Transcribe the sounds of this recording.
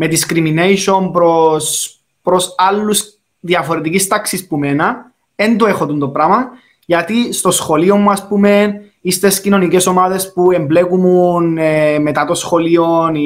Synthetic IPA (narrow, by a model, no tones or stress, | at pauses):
me̞d̪iskɾiminejʃo̞mpɾos | pɾosɐlːus | ðiɐfo̞ɾet̪icist̪ɐksispumenɐ | end̪oexot̪unt̪opɾɐmɐ | ʝɐt̪ist̪o̞sxo̞lio̞mːuɐspume̞n | ist̪e̞scino̞nice̞so̞maðe̞spuemblekumunemet̪ɐt̪osxo̞lio̞n